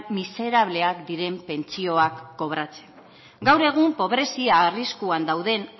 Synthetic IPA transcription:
mise̞ɾaβle̞akd̪iɾe̞mpe̞nt͡sio̞akːo̞βɾat͡se̞̥n | ɡawɾe̞ɣ̞umpo̞βɾe̞siaːriskuand̪awðe̞n

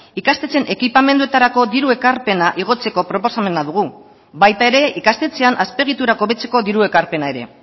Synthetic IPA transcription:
ikast̪e̞t͡se̞nʔe̞kipame̞nd̪uet̪aɾako̞ðiɾue̞kaɾpe̞naʔiɣ̞o̞t͡se̞ko̞pɾo̞po̞same̞naðuɣ̞u | βajt̪ae̞ɾe̞ikast̪e̞t͡seanʔaspe̞ɣ̞it̪uɾako̞βe̞t͡se̞ko̞ðiɾue̞kaɾpe̞nae̞ɾe̞̰

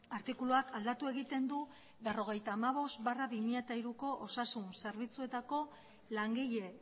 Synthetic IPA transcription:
aɾt̪ikuluakald̪at̪ue̞ɣit̪e̞nd̪u | βe̞ro̞ɣ̞e̞jt̪aːmaβ̞o̞st̪baraβimiʎat̪aiɾuko̞ʔosasunse̞ɾβ̞it͡sue̞t̪ako̞ | laŋɡiʎe̞

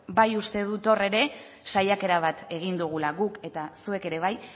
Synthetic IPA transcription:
bajust̪e̞ð̞ut̪o̞re̞ɾe̞ | sajake̞ɾaβ̞at̪e̞ɣ̞ind̪uɣ̞ulaɣuke̞t̪asue̞ke̞ɾe̞β̞aj

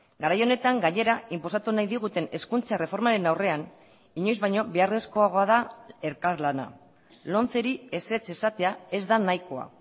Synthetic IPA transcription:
ɡaɾajo̞ne̞t̪aŋɡaɲe̞ɾaʔimpo̞sat̪unajðiɣ̞ut̪e̞ne̞skunt͡sare̞fo̞ɾmaɾe̞nawre̞an | iɲo̞jzβajɲo̞βeare̞sko̞aɣ̞o̞að̞ae̞ɾkaɾlana̰ | lo̞nt͡se̞ɾie̞se̞t͡se̞sat̪e̞ae̞zd̪anajko̞a̰

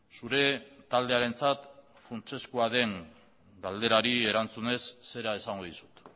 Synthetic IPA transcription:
suɾe̞t̪ald̪e̞aɾe̞nt͡sat̪ | funt͡ʃe̞skuaðe̞ŋ | ɡald̪e̞ɾaɾie̞ɾant͡sune̞sːe̞ɾae̞saŋɡoðisu̥t̪

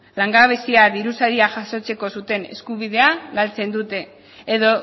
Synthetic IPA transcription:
laŋɡaβ̞e̞siaðiɾusaɾiaʝaso̞t͡se̞ko̞sut̪e̞ne̞̰skuβ̞iðe̞aɣalt͡se̞nd̪ut̪e̞ː | ðo̞

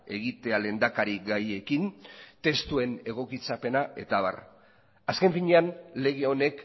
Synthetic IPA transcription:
e̞ɣit̪e̞ale̞nd̪akaɾiɡaje̞kint̪e̞st̪ue̞ne̞ɣ̞o̞kit͡sape̞nae̞̰t̪aβa̰r | aske̞ɱfiɲe̞anle̞ɣ̞e̞o̞ne̞k

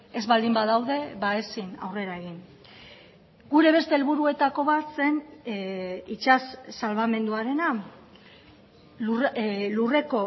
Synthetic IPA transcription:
e̞zβald̪imbaðawðe̞βaesina̰wre̞ɾae̞ɣ̞in | ɡuɾe̞β̞e̞st̪e̞ːlβuɾue̞t̪ako̞βat̪se̞n | it͡ʃasːalβame̞nd̪uaɾe̞na | lure̞ko̞

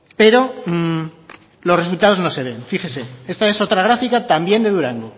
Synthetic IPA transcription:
pe̞ɾo̞ | lo̞sresult̪að̞o̞zno̞se̞β̞e̞nfixe̞se̞e̞st̪ae̞so̞t̪ɾaɣ̞ɾafikat̪ambje̞nd̪e̞ðuɾaŋɡu

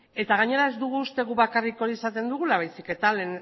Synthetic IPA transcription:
e̞t̪aɣ̞aɲe̞ɾae̞zd̪uɣuːst̪e̞ɣuβakariko̞ɾisat̪e̞nd̪uɣ̞ulaβajsike̞t̪alen

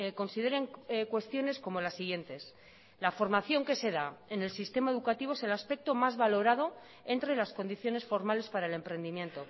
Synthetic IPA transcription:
ko̞nsið̞e̞ɾeŋkwe̞st̪jo̞ne̞sko̞mo̞lasːiɣ̞je̞nt̪e̞s | lafo̞ɾmaθjo̞ŋke̞se̞ðaene̞lsist̪e̞maeðukat̪iβ̞oese̞laspe̞k̚t̪o̞mazβalo̞ɾað̞o̞ | e̞nt̪ɾelasko̞nd̪iθjo̞ne̞sfo̞ɾmale̞spaɾae̞le̞mpɾe̞nd̪imjẽ̞nt̪o̞

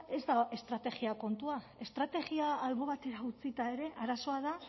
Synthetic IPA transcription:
e̞zd̪aest̪ɾat̪e̞ɣiako̞nt̪ua | e̞st̪ɾat̪e̞ɣiaːlβo̞βat̪e̞ɾaut͡sit̪ae̞ɾe̞aɾaso̞aða

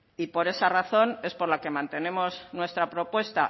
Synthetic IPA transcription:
ipo̞ɾe̞saraθo̞ne̞spo̞ɾlake̞mãnt̪e̞ne̞mo̞znwe̞st̪ɾapɾo̞pwe̞st̪a

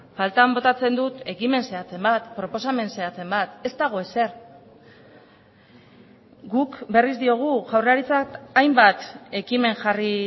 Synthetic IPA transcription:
falt̪ambo̞t̪at͡se̞nd̪ut̪e̞kime̞nse̞at͡se̞mbat̪pɾo̞po̞same̞nse̞at͡se̞mbat̪e̞st̪aɣ̞o̞e̞se̞ɾ | ɡukbe̞rizd̪io̞ɣ̞uʝawreaɾit͡sat̪ajmbat̪e̞kime̞ŋʝari

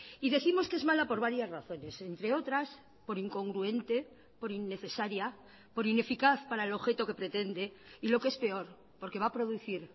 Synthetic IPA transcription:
iðe̞θimo̞ske̞zmalapo̞ɾβ̞aɾjazraθo̞ne̞se̞nt̪ɾe̞o̞t̪ɾas | po̞ɾiŋko̞ŋɡɾue̞nt̪e̞ | po̞ɾinːe̞θe̞saɾja | po̞ɾine̞fikaθpaɾae̞lo̞βxe̞t̪o̞ke̞pɾe̞t̪e̞nd̪e̞ilo̞ke̞spe̞o̞ɾ | po̞ɾke̞βapɾo̞ðuθiɾ

